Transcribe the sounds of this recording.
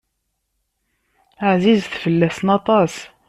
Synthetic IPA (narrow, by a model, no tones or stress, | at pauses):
aʕzizθfəlːæsnɑt̪ˤɑs